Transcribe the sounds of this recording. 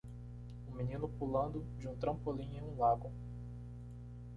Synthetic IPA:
ʊmĩnĩnʊpulɐ̃nd̪ʊ | d͡ʒɪũt̪ɾɐ̃mpolĩɲẽũlaɡʊ

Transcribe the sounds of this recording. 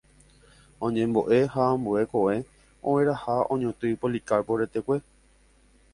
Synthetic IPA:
õɲẽmboʔe̞hãːmbue̞ko̞ʋe̞ | õwẽɾahaõɲõt̪ɨpolikaɾpoɾe̞t̪e̞kʷe̞

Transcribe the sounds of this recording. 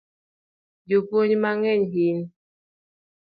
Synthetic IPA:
jopoɲmaŋɛɲɦin

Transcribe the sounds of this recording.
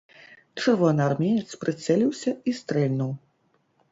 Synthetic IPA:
t͡ʂɛrvɔnɨarmʲenʲɛt̪spɾɨt̪sɛlʲiwsʲɐist̪ɾɛlʲnuw

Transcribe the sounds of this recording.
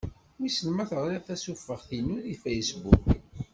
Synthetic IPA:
wisəlmæθəʁɾiθæsufːəʁθinuðifejsbuk

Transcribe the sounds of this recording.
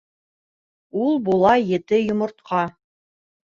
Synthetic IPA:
ulˠbulˠɑjɘ̆t̪ɘjŏmŏɾt̪̚qʰɑ

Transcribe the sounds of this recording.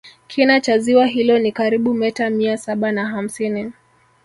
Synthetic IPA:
kʰinat͡ʃaziwaɦilɔnikaɾiɓumɛtamiasaɓanaɦam̩sini

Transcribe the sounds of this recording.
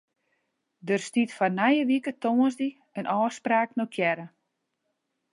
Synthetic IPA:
dərstitfarnajəʋikətoənzdi | ənʔɔːspraːknokʰjɛɾə

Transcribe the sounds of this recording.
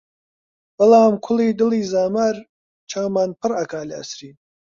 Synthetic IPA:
b̥ɐlaːmkʰʊliːd̪ɨliːzaːmaɾ | t͡ʃʰaːmaːnpʰɨɾɐkaːlɐɐ̰sɾiːn

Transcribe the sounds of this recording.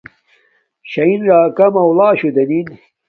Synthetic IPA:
ɕɐinɾaːkɐmɐwlaːɕud̪ɐnin

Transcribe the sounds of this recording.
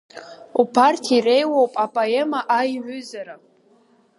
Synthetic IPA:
upʰartʰiire̞jwowpʼapʼaemaʔajʕʷʏzaɾa

